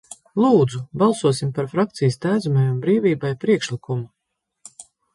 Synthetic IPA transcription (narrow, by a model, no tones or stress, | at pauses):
lˠuːd̪zubɑlˠsuɔsimpaɾfɾak̚t̪sijəst̪æːd̪zumajumbɾiːviːbajpɾiɛkʃlikumu